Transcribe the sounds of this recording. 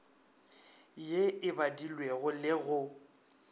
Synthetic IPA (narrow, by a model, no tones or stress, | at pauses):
jeɪbadilweɣʊlɪɣʊ